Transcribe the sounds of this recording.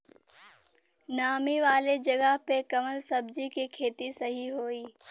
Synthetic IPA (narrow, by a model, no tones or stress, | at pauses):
naːmiʋaːled͡ʑɐɡəɦpekɐʋəlsɐbd͡ʑikikʰeːt̪isɐɦiɦoːiː